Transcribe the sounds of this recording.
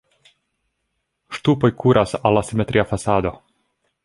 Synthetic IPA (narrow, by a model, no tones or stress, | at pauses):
ʃt̪upo̞jkʰuɾasa̰lasimet̪ɾʔiafasaːd̪o